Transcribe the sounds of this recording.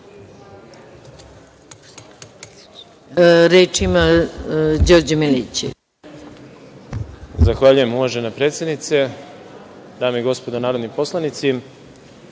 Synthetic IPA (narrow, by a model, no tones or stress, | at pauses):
ɾeːt͡ʃima | d͡ʑoɾd͡ʑemelḛt͡ɕḛ | zaxʋaʎuje̞muvaʒenapɾet̪sje̞d̪nit̪se | d̪aːmeiɡo̞spo̞d̪onaːɾo̞d̪nipo̞slˠanit̪si